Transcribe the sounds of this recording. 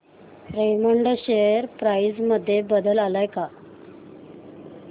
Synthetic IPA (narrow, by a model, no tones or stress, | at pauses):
ɾeməɳɖɕejəɾpɾaid͡zməd̪ʱːjebəd̪əlalajka